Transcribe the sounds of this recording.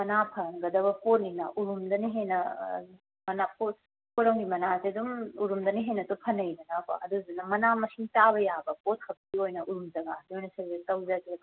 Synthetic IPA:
mɐnapʰɐnɡɐdɐβɐpʰoɾ̚ninaʔuɾumdɐniɦenːɐ | mɐnapʰo | poɾɐwnimɐnasiɐdumuɾumdɐniɦenːɐtopʰɐnɐjdɐnakɐ̰ʔɐ̰duzinɐmɐnamɐsiŋtaβɐjabɐkot̚kʰɐp̚tiojnɐʔuɾumd͡ʒɐɡakiojnɐsɐzetɐwzatiɾɐ

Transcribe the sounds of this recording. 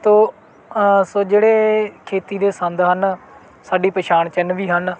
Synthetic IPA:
t̪oː | soːd͡ʒeːɽeːkʰeːt̪iːd̪eːsə̃nd̪ɦən | saːɖiːpəʃaːɳt͡ʃənʋiːɦən

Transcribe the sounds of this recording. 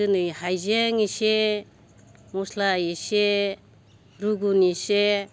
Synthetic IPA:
ɯnɯjhajzeŋise | mɔslajise | ɾuɡunise

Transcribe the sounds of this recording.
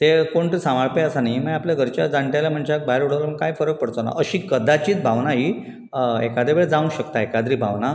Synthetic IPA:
t̪ekoɳʈ̪əsãʋaɭpeəsanaiməjapljaɡʱəɾt͡ɕad͡zaɳʈjalam̤əɳd͡ʑak̚bajeɾuɽ̤əʋlməɡkːajfəɾək̚pəɽt̪ona̰ʔəɕiːkəd̪at͡ɕiːt͡sbʱaʋnaɦiː | ekad̪ɾebeɭed͡zaʋũɕəkt̪aekad̪ɾiːbʱaʋna

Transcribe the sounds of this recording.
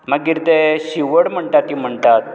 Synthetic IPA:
maɡːiɾt̪eɕiʋəɽm̤əɳt̪at̪ːim̤əɳt̪at̪̚

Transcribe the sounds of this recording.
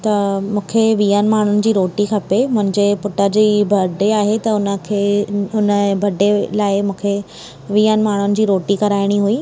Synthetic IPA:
t̪ɐmũːkʰeʋijənɪ̆maːɳ̤ʊnɪ̆d͡ʑiːɾoːʈixʰɐpemʊ̃ɦɪ̃ɲd͡ʑepʊʈəd͡ʑiːbʱɐɖeaːɦet̪ɐʊnəkʰeʊnəbʱɐɖelaːɪmũːkʰe | ʋiːənɪ̆maːɳ̤ʊnɪ̆d͡ʑiːɾoːʈiːkɐɾaːɪɽ̃iɦuiː

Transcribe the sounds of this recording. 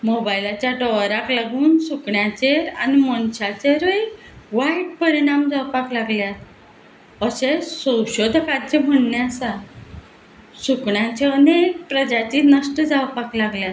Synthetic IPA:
mobajlat͡ɕjaʈɔɾaklaɡuːnsukɳjãt͡ɕeɾanimənɕat͡ɕeɾəj | ʋaiʈ̚pəɾiɽ̃amd͡zawpaklaɡljat̪ | əɕesə̃wɕod̪ʱkaɾd͡ʑem̤əɳneasa | sukɳjãt͡ɕeənek̚pɾəd͡ʑat͡ɕinəsʈəd͡zawpaklaɡljat̪

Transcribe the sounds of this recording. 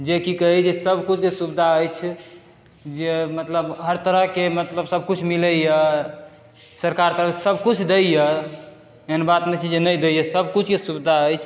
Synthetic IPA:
d͡ʒekikəɦid͡ʒesəbkut͡ʃʰkesubd̪ʱaəjt͡ʃʰ | d͡ʒemət̪ləbɦəɾt̪əɾəɦkemət̪ləbsəb̚kut͡ʃʰmiləjə | səɾkaɾt̪əɾəsəbkut͡ʃʰd̪ejə | eɦənbat̪met͡ʃʰid͡ʒenəjd̪ejəsəbkut͡ʃʰkesubd̪ʱaəjt͡ʃʰ

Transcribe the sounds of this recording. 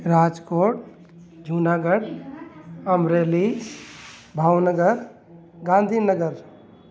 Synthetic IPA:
ɾaːd͡ʒkoːʈ̚ | d͡ʒʱunaːɡəɽ | əmɾeːli | bʱaːwnəɡəɾ | ɡãːnd̪ʱinəɡəɾ

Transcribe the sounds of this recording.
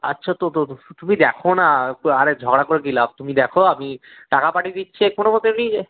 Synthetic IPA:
a̰tːʃʰat̪ot̪ot̪umid̪ɛkʰonaaɾed͡ʑʱɔɡɽakoɾek̬ilat̪umid̪ɛkʰoami | ʈakapaʈid̪itːɕʰekonobot̪eɾni

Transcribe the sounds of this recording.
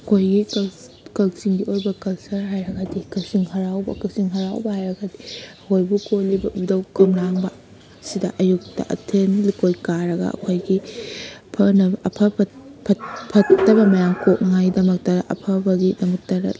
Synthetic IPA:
ɐkʰojɡik | kɐlsiŋɡiojbɐkɐlsɐɾɦajɾɐɡɐdikɐsiŋhɐɾawbɐ̰kɐsiŋɦɐɾawbɐhajɾɐɡɐdiɐkʰojbukolibɐdɐwkɐmɾaŋbɐ | sidɐʔɐjuk̚tɐ̰ʔɐ̰tʰenlikojkaɾɐɡɐ̰ɐ̰kʰojɡi | pʰɐnɐʔɐpʰɐpʰɐt̚pʰɐtːɐbɐmɐjaŋkʰok̚nɐŋajdɐmɐk̚tɐɾɐʔɐ̰pʰɐbɐɡidɐmɐk̚tɐɾɐ̰

